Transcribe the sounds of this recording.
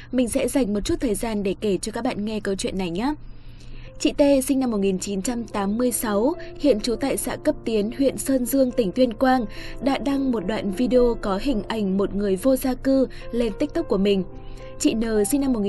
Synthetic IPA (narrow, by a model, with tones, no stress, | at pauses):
mï˨˩ŋ̟sɛ̰˧˥za˨˩jŋ̟mo˨˩t̚t͡ɕu˦˥t̚t̪ʰəː˨˩jzaː˧nɗe˧˩ke˧˩t͡ɕɔ˧kaː˦˥k̚ɓa̰ː˧˨nŋɛ˧kə˧wt͡ɕwḭ˧˨ənːa˨˩jɲaː˨˦ | t͡ɕḭ˧˨t̪e˧sï˧ŋ̟na˧mːo˨˩ŋi˨˩nt͡ɕi˨˦nt͡ɕa˧mt̪aː˨˦mːɨ˧əjsa˨˦whḭ˧˨ənt͡ɕu˨˦t̪a̰ː˧˨jsa̰ː˧˥kə˦˥p̚t̪i˨˦ənhwḭ˧˨ənsəː˧nzɨ˧əŋt̪ï˧˩ŋ̟t̪wi˧ənkwaː˧nɗa̰ː˧˥ɗa˧ŋmo˨˩t̚ɗwa̰ː˧˨nvi˧ɗe˧o˧kɔ˨˦ɦï˨˩ŋ̟ʔa˧˩jŋ̟mo˨˩t̚ŋɨ˨˩əjvo˧zaː˧kɨ˧le˧nt̪i˦˥k̚t̪ɨ˦˥k͡p̚kːu˧˩əmï˨˩ŋ̟ | t͡ɕḭ˧˨nəː˨˩sï˧ŋ̟na˧mːo˨˩t̚ŋi˨